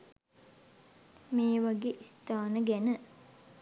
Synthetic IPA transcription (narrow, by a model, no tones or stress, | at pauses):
meːʋaɡeːʔist̪aːnəɡænə